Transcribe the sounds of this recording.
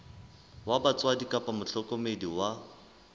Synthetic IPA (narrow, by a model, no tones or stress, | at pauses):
wabat͡sʼwadikʼapʼamʊɬɔkʼɔmediwa